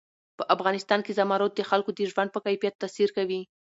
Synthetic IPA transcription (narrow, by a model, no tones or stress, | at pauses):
pəʔafɣɑnɪst̪ɑnkezamɑɾot̪̚d̪əxalkod̪əʒwand̪̚pəkajfijat̪ːasiɾkawi